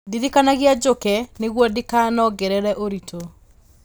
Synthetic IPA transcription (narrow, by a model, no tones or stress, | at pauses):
diðikanaɣead͡ʒokɛneɣwɔdikanɔɡɛɾɛɾɛʔoɾitʰo